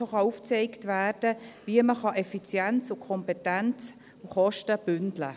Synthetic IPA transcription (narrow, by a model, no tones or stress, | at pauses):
oχɑuft͡sɛɪktʋæːrd̥əʋiəməχɑʔɛfit͡sjɛnt͡sʊkʰɔmpɛtænt͡s | ʊχɔʃtəb̥ʏndlə̰